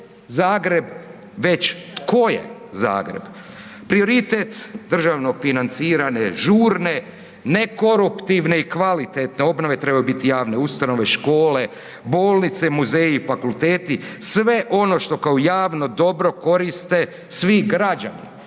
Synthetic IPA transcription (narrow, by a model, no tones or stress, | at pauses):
zaːɡɾe̞b | ʋe̞t͡ɕt̪ko̞jḛza̰ːɡɾe̞̰b | pɾio̞ɾit̪et̪d̪r̩ʒaʋno̞finant̪siːɾane̞ʒuːɾne̞ | ne̞ko̞ɾupt̪iʋne̞ikʋalit̪et̪ne̞o̞bno̞ʋe̞t̪ɾe̞bajubit̪ijaːʋne̞ust̪ano̞ʋe̞ʃko̞ːle̞ | bo̞ːlˠnit̪semuzeːifakulˠt̪eːt̪isʋe̞ʔo̞no̞ʃt̪o̞kaojaːʋno̞d̪o̞bɾo̞ko̞ɾist̪e̞ | sʋiɡɾad͡ʒa̰nḭ